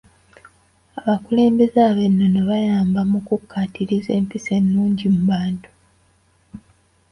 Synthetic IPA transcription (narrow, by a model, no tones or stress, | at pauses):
aβakule̞ːmbe̞zaːβe̞nːoneβajaːmbamukukːatiɾize̞ːmpise̞nːuːɲɟimuβaːntu̥